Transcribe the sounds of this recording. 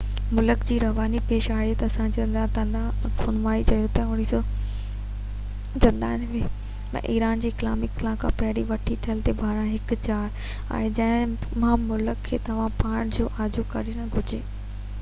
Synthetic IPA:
mʊləkd͡ʑiːɾɐʋaːnipeːʃaːɦet̪ɐɐsãd͡ʑiɐnd̪ãt̪ɐ̃nãkʰʊnʋaːit͡ɕɐjot̪ɐʊɽ̃iːsɔ | d͡ʑɐ̃nd̪aːɪnʋe | ɐ̰̃ʔiːɾaːnd͡ʑiːkla̰ːmɪklãːkʰã̰pɐɦɽiʋɐʈʰit̪ʰɐəlt̪ebʱaːɾãɦɪkt͡ɕaːɾ | a̰ːẽd͡ʑɐ̃ɦɪ̃mãmʊləkʰːḛːt̪ɐʋ̤ãpaːɽ̃d͡ʑoːʔaːd͡ʑukɐɾinɐ̃ɡʱʊd͡ʑeː

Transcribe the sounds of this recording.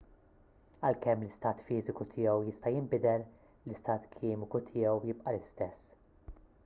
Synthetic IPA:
ɐlkɛmːlɪst̪ɐːt̪fiːzɪkut̪ʰɪːɛwjɪst̪ɐjɪmbɪd̪ɛɾ | lɪst̪ɐːt̪kʰɪːmɪkut̪ʰɪːɛwjɪpʼʔɐlɪst̪ɛsː

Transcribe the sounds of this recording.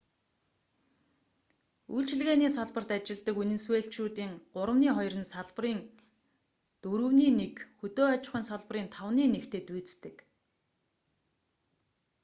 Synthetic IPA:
ujɮt͡ɕʰɪ̆ɮɣeːniːsaɮpə̆r̥t̪at͡ɕɪ̆ɮt̪ə̆kunɘ̆nsweːɬt͡ɕuːt̪iːŋɢʊɾə̆mniːχɔj̆rə̆nsaɮp̆riːŋ | t̪ɵɾɵ̆wniːnekxɵt̪oːat͡ɕɪ̆χiːnsaɮp̆riːnt̪ʰawniːnekt̪ʰeːt̪uːt͡st̪ɘ̆k

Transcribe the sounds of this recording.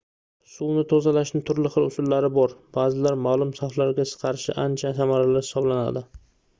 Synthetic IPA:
suwnɪt̪ʰozalaʃnɪt̪ʰʊɾlɪχɨɾʊsʊlːaɾɪbɒɾb̥aːzɪlaɾmaːlˠʊmsaflaɾɡʲasɨ̥qʰɑɾɪʃɪ̰ʔant͡ʃʰasamaɾalaɾhɪsɒblana̰d̪ɪ

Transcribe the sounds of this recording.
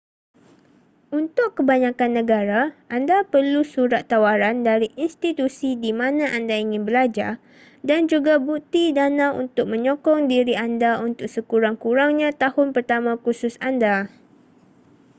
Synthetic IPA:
unt̪ʊkːəbaɲãkanːə̃ɡaɾaʔandapərlusuɾat̪ːawaɾandaɾiʔinst̪it̪usidimãnãʔandaiŋɪ̃nbəlad͡ʒa̰ | dand͡ʒuɡabut̪idanãṵnt̪ʊk̚mə̃ɲɔkɔŋdiɾiandaunt̪ʊk̚səkuɾaŋkuɾaŋɲãt̪ahʊnpərt̪amãkusʊsanda

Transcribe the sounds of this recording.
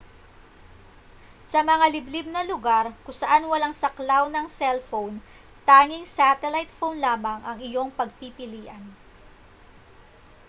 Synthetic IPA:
sɐmɐŋalɪblɪb̚nɐlʊɡaɾkʊŋsɐʔanwɐlaŋsɐklawnɐŋsɛlfown | t̪aːŋɪŋsaːt̪ɛlajt̪fownlaːmɐŋʔɐŋɪjo̞ŋpɐɡ̚pipɪliːʔɐn

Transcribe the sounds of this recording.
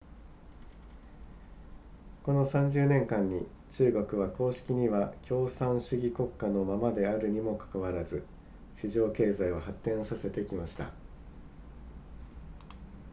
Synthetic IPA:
ko̞no̞sãɲ̟d͡ʑɨːnẽ̞ŋkãɲ̟ːi | t͡ɕɨːɡo̞kɯ̟βako̞ːɕi̥kʲiɲ̟iβakʲʰo̞ːsãɰ̃ɕɨɡʲiko̞kːano̞mamad̪e̞aɾɯ̟ɲ̟imo̞kḁkaβaɾazɨ | ɕiʑo̞ːke̞ːzaiβahat̪ːẽ̞ɰ̃osase̞t̪e̞kʲimaɕi̥t̪a̰

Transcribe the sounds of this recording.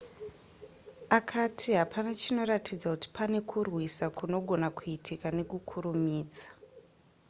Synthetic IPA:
akʰatʰiɦapʰanat͡ʃino̞ratʰid͡zakuti̥pʰane̞kʰurwisakuno̞ɡʱo̞nakuitʰikane̞kukʰuɾumiːd͡zḁ

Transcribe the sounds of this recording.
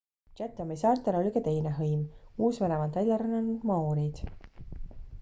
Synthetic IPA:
t͡ʃæt̪ːˑomisɑːrt̪ˑelo̞lʲikɑt̪e̞jneɦɤjmuːsvenevɑnd̪elʲːɑɾɑnːɑniŋɡ̥mɑoɾid̪̥

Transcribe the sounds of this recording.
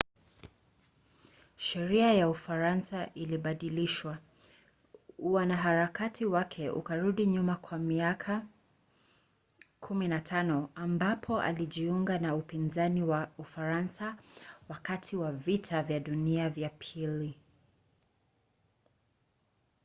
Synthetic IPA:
ʃɛɾiajaufaɾansaʔiliɓaɗiliʃwa | uwanaɦaɾakatʰiwakʰɛʔṵkaɾuɗiɲumakʰwamiakʰa | kʰuminatʰanɔambapʰɔʔa̰liʄiuŋɡanaupinzaniwaufaɾansawakatʰiwavitʰavjaɗuniavjapʰili

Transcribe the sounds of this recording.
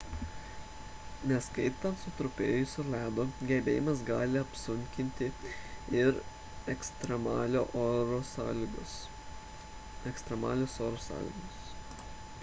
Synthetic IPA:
nʲɛskɐɪt̪ɐnt̪sʊt̪ɾʊpʲeːjʊsʊlʲæːd̪oːɡʲɛbʲḛːjɪmɐsɡɑːlʲɪɐpsʊŋʲkʲɪnʲt̪ʲɪɪɾ | ɛkst̪ɾʲɛmɑːlʲoːʔoɾoːsɑlʲʊ | ɛkst̪ʲɾʲɛmɑ̰ːlʲʊsoːɾosɑ̰ːlʲɪ̰ɡʊs

